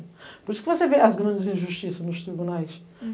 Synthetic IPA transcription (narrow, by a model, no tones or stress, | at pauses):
pɔɾisukvoseveɐzɡɾɐ̃nd̪ɪzĩʒuʃt̪isɐnuʃt̪ɾiβunajʃ